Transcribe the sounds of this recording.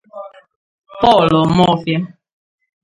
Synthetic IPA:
pɔ˦˨lɔ˨mɔ˦fja˦

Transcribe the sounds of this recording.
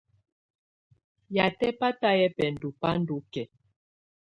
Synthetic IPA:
ja˨tɛ˦pa˦ta˦jɛ˦pɛ˨n˨du˨pa˦n˦du˨˦kɛ˨

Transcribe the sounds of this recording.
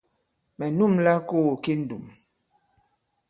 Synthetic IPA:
mɛ˨nu˦˨mla˦ko˦wo˨ki˦n̩˦˨du˨m

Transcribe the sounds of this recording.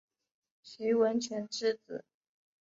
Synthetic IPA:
ɕy˧˥wə˧˥nt͡ɕʰɥɛ˧˥nʈ͡ʂɻ̩˥˩t͡sɹ̩̰˨˩˦

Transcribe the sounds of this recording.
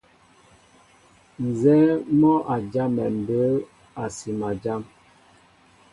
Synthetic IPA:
n̩˨zɛ˦mɔ˦ʔa˨d͡ʒa˦mɛ˨m̩˨bə˦ | a˨si˨ma˨d͡ʒa˦m

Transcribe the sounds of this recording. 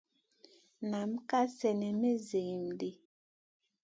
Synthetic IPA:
na˨˦mka˦sɛ˨nɛ˨me˦ze˨mdi˦

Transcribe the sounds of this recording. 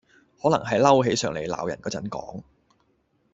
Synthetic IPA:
hɔː˨˥lɐ˨˩ŋɦɐ˨jlɐ˥wɦe˨˥jsœː˨˩ŋle˨˩jla̰ː˨wjɐ˨˩nkɔː˧˥t͡sɐ˨˥nkɔ̰ː˨˥ŋ

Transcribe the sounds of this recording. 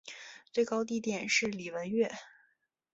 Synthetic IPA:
t͡swe˥˩ɪkɑ˥ʊt̪i˥˩t̪jɛ˨˩nʂɻ̩˥˩li˨˩wə˧˥nɥɛ˥˩

